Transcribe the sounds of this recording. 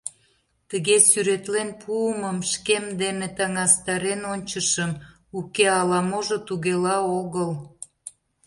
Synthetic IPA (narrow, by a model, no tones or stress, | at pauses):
t̪əɣesyɾet̪lenpʰuəməmʃkemd̪enet̪ɑŋɑst̪ɑɾenonʲt͡ɕəʃəm | ukeɑlɑmoʒot̪uɣelɑoɣəl